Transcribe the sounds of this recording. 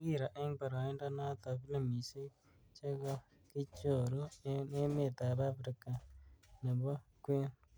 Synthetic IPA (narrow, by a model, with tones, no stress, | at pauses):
i˦˨ɾa˨ʔe˦ŋba˨ɾa˨e˦nda˦na˦t̪a˨βi˦le˨mi˨se˦ | t͡ʃe˦ɣo˦ | ki˦t͡ʃo˨ɾo˦ne˦me˦˨t̪a˨βa˦ɸɾi˨ka˨ne˨βo˦kwe˦